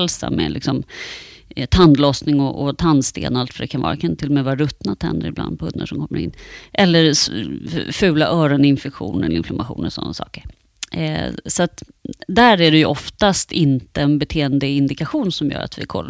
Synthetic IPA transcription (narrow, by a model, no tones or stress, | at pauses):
lsa̰mɛ̰lɪksɔm | t̪ʰand̪lɔsnɪŋɔʔɔt̪ʰand̪st̪ḛːnalt̪fœɖɛkʰanvɑ̰ːɾakʰant̪ʰɪlːɔmɛvɑːɾaɾɵt̪nat̪ʰɛnd̪əɾɪbla̰nd̪̚pʰɵnːə̰ʂɔmkʰɔmːəɾɪ̰nːʔɛlːəɾ | fʉ̟ːlaʔœːɾɔnɪnfɛkɧṵːnəlɪnflamʔaɧṵːnə̰sɔ̰nːasɑ̰ːkəɾ | sɔat̪ | d̪æːɾæɖɛjɵʔɔft̪ast̪ɪnt̪əɛnbɛt̪ʰeːənd̪əɪnd̪ɪkaɧuːnsɔmjœ̰ːɾa̰t̪vɪ̰kʰɔlː